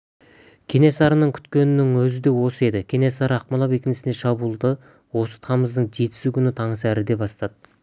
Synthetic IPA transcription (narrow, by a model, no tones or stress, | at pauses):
kʲʰe̞ne̞sɑɾənəɴkʲʰʏ̥t̪kʲe̞nɪnɪŋwɵzɪd̪e̞wo̞səe̞d̪ɪkʲʰe̞ne̞sɑɾəɑqmɑlˠɑpe̞kʲɪnɪsɪnd̪e̞ʃɑbuːlˠd̪ə | wo̞sə̥t̪ʰɑməzd̪əɴʒe̞t̪ɪ̥sukʲʰʏnɪt̪ʰɑɴəsæɾɪd̪e̞bɑst̪ɑd̪̥ə